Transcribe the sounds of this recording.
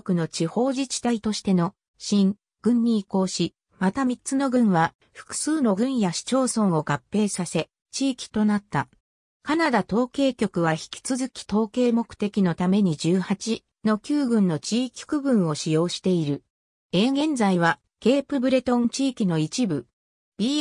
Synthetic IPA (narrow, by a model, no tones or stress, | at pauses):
okɯ̟no̞t͡ɕiho̞ːʑit͡ɕi̥t̪ait̪o̞ɕi̥t̪e̞no̞ | ɕĩŋ | ɡ̥ɯ̟̃ɲ̟ːiːko̞ːɕi | mat̪amʲitt͡sɨno̞ɡɯ̟̃ɰ̃βa | ɸɯ̟̥kɯ̟̥sɨːno̞ɡɯ̟̃ɰ̃jaɕi̥t͡ɕo̞ːsõ̞ɰ̃o̞ɡapːe̞ːsase̞ | t͡ɕiːkʲi̥t̪o̞nat̪ːa | kanad̪at̪o̞ːke̞ːkʲo̞kɯ̟βaçi̥kʲi̥t͡sɨzɨkʲi̥t̪o̞ːke̞ːmo̞kɯ̟̥t̪e̞kʲino̞t̪ame̞ɲ̟id͡ʑɨːhat͡ɕi | no̞kʲɨːɡɯ̟̃nːo̞t͡ɕiːkʲʰi̥kɯ̟ɡɯ̟̃ɰ̃o̞ɕijo̞ːɕi̥t̪e̞iɾɯ̟ | e̞ɡẽ̞nd͡zaiβ̞a | ke̞ːpɯ̟bɯ̟ɾe̞t̪õ̞nt͡ɕiːkʲino̞it͡ɕibɯ̟ | b̥ʲi